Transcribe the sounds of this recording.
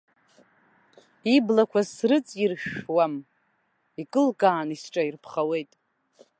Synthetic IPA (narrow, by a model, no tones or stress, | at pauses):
iblakʷʰasrɨt͡sʼirʃᶣwam | ikʼɨlkʼaːnisʈ͡ʂʼairpʰχawe̞jtʼ